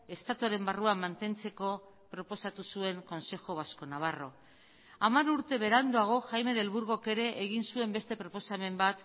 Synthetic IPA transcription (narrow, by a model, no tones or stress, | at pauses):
e̞st̪at̪uaɾe̞mbaruamːant̪e̞nt͡se̞ko̞ | pɾo̞po̞sat̪usue̞ŋko̞nse̞xo̞β̞asko̞naβ̞aro̞̰ | amaɾuɾt̪e̞βe̞ɾand̪oaɣ̞o̞xajme̞ðelβuɾɣoke̞ɾe̞ʔːɣ̞insue̞mbe̞st̪e̞pɾo̞po̞same̞mbat̪